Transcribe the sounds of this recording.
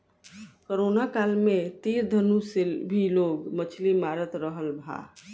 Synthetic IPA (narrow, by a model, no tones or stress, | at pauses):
koɾoːnakaːlmẽt̪iːɾd̪ʱənũsebʱiloːɡmət͡ʃʰlimaːɾət̪ɾəɦəlbʱa̰ː